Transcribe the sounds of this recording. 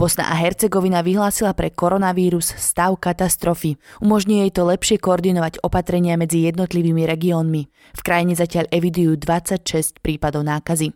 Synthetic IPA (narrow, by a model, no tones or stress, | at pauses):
b̥ɔsna̰ʔaɦɛɾt͡sɛɡɔʋinaʋiɦlaːsilapɾɛkɔɾɔnaʋiːɾusːt̪aʊkat̪ast̪ɾɔfiumɔʒɲijɛjt̪ɔlɛpʃɪɛkɔɔɾd̪inɔʋaɟɔpat̪ɾɛɲɪamɛd͡zijɛd̪̚nɔt̪liʋiːmiɾɛɡiɔːnmi | fkɾajiɲɛzacɪaʎʔɛʋid̪ujuːd̪ʋat͡sːacʃɛscpɾiːpad̪ɔʊnaːkazi